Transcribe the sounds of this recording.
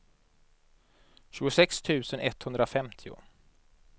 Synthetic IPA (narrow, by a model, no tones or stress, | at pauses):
ɕʉ̟ːɡʊsɛkst̪ʰʉ̟ːsənʔɛt̪hɵnd̪ɾafɛmt̪ʰɪʊ̰